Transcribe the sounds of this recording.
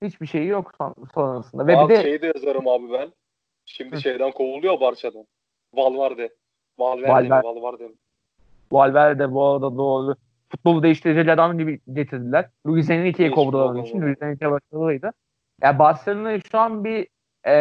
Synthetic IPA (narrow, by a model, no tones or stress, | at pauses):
hit͡ʃbiʃe̞jijoksonaɾasɯnd̪avɛid̪ɛejid̪ijazaɾɯmaːbibæn | ʃimd̪iʃejd̪ænkʰowulˠujobaɾt͡ʃʰad̪a | valˠvaɾd̪ɛ | valʲvæalʲvæɾalˠvaɾd̪em | alʲvæɾd̪ɛbuaɾad̪ad̪oːlu | fut̪̚bolˠud̪eiʃt̪ʰiɾed͡ʒilʲæaɾd̪amd͡ʒibiɟe̞t̪ʰiɾd̪ilʲæɾ̥luizeninicʰejɛkʰo̞vɾulˠaɾɯnit͡ʃʰinluizeninʲicʰʲejɛbaʃlˠaɯlɯlˠɯjd̪ɯ | jabast̪anɯnaʃuanbi | ɛ